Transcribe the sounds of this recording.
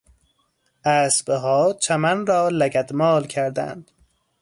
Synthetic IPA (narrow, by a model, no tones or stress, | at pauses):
ʔæːsbeɦɒːt͡ʃʰæmænɾɒːlæɡæd̪mɒːlkʰæɾd̪æ̰nd̪̥